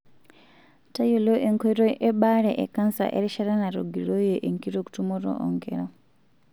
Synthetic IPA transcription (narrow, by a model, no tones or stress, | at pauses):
tajoloʔeŋkoɾoʔeɓaɾḛʔḛkansa̰ʔeɾiʃaɾanaɾo̰ɡiɾojeʔeŋkiɾoku̥tumoɾo̰ʔo̰ŋɡḛɾa